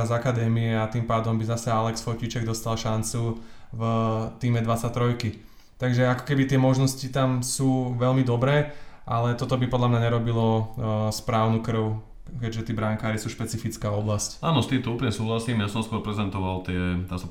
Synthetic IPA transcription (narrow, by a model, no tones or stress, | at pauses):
azakad̪ɛːmiɛat̪iːmpaːd̪ɔmbizasɛalɛksfɔcit͡ʃɛɡd̪ɔst̪alʃant͡suvt̪iːmɛd̪ʋat͡sat̪ɾɔjki | t̪aɡʒɛakɔ̥kɛbit̪ɪɛmɔʒnɔscit̪amsuːʋɛlmid̪ɔbɾɛːʔalɛt̪ɔt̪ɔbipɔd̪lamɲaɲɛɾɔbilɔspɾaːʊnukr̩ʊ | kɛɟʒɛt̪iːbɾaŋkaːɾisuːʃpɛt͡sifit͡skaːɔblascaːnɔst̪iːmt̪ɔuːpl̩ɲɛsuːɦlasiːmjasɔmskʊɔɾpɾɛzɛnt̪ɔʋalt̪ɪɛt̪aːs